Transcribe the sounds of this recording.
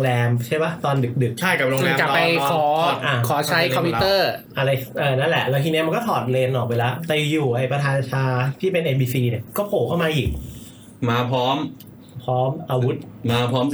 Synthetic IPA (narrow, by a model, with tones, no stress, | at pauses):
ŋlɛː˧mt͡ɕʰaː˥˩jwa˦˥˩t̪ɔː˧ndɯ˨˩k̚dɯ˨˩k̚t͡ɕʰa˥˩jka˨˩ɾoː˧ŋ˧lɛː˩˧ka˨˩˧pːa˧jkʰɔː˩˦ʔaː˧˩kʰɔː˩˦t͡ɕʰa˦˥jkʰɔ˧mpʰi˦t̪ɤː˥˩ʔa˧ɾa˧jʔɤː˧˩na˦˥nlɛ˨˩ʔlɛ˧˦˥kʰiː˧ni˦˥m˧nkɔː˥˩t̪ʰɔː˨˩t̪̚leː˧nʔɔː˨˩k̬̚a˧jla˦˥ʔt̪ɛ˨˩˨juː˨˩ʔa˧jpɾa˧t̪ʰaː˧nt͡ɕʰaː˧t̪ʰiː˥˩pe˧nʔeː˧biː˧siː˧ni˧˩kɔː˥˩pʰoː˨˩kʰa˥˩maː˧ʔiː˨˩k̚ | maː˧pʰɔː˦˥m | pʰɔː˦˥mʔaː˧wu˦˥t̪̚maː˧pʰɔː˦˥m